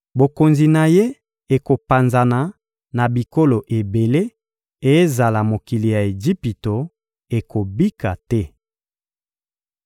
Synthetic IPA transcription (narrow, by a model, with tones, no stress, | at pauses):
bo˨ko˨nzi˨na˨je˦ | e˨ko˨pa˨nza˨na˨ | na˨bi˨ko˦lo˨ʔe˨be˨le˦ | e˦za˨la˨mo˨ki˨li˨ja˨e˨d͡ʒi˦pi˨to˨ | e˨ko˨bi˦ka˨tɛ˦